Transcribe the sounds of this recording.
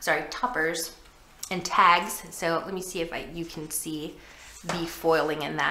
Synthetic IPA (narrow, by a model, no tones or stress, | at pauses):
sɑɹitʰʌpə˞z̥ | ɨ̃ntʰæɡz̥soʊlɛt̚misiɨfa̰ɪjɨkʰn̩si | ðɨfɔɪlˠɪ̃ŋɨ̃nðɨ̰